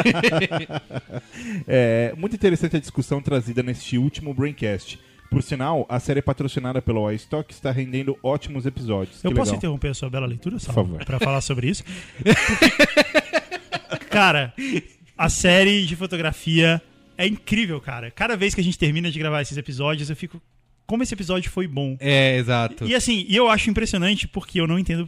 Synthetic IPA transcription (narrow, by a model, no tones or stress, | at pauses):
ɛmũt̪uĩt̪eɾesɐ̃t͡ʃɪɐd͡ʒiskusɐ̃w̃t̪ɾazid̪ɐnest͡ʃɪuwt͡ʃimʊbɾẽj̃kɛst͡ʃɪ̥ | poɾsinawɐsɛɾɪɛpat̪ɾosinad̪ɐpelʊajst̪ɔkɪ̥st̪aɦẽnd̪ẽnd̪ʊɔt͡ʃimʊzepizɔd͡ʒiʊskewɪlpeɔsɡʊaĩt̪ehõpeɾɐsuɐbɛlɐlejt̪uɾɐsafavo̰ɾpɾɐfalaɾsobɾɪisʊ̥pʊɾ | kaɾɐ | ɐsɛɾɪd͡ʒɪfot̪oɡɾafiɐ | ɛĩkɾivewkaɾɐkad̪ɐvejskɪɐʒẽnt͡ʃɪ̥t̪eɾmĩnɐd͡ʒɪɡɾavaɾesɪzepizɔd͡ʒiʊzewfikʊ | kõmʊesɪepizɔd͡ʒjʊfojbõɛezat̪ʊɪasĩɪewaʃʊĩpɾesiõnɐ̃nt͡ʃɪ̥poɾkʰeewnɐ̃ĩnt̪ẽnd̪ʊ